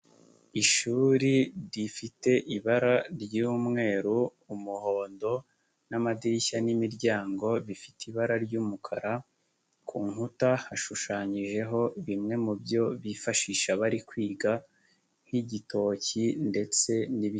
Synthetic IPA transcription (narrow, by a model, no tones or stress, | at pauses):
iʃuːɾiɾifite̞ʔiβaɾaɾɟuːmŋe̞ːɾu | umuho̞ːndo̞ | namadiɾiçanimiɾɟaːŋɡo̞βifi̥tiβaɾaɾɟuːmukʰaɾa | kʰuːŋhutahaʃuʃaːɲiʒe̞ɦo̞βimŋe̞mubjo̞βifaʃiʃaβaɾikwiːɡa | hiɟitʰo̞cinde̞t͡se̞niβi